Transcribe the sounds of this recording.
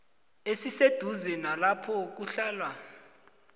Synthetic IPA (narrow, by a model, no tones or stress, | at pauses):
esised̥ʱuzɛnalapʰɔk̬uɬaːlwa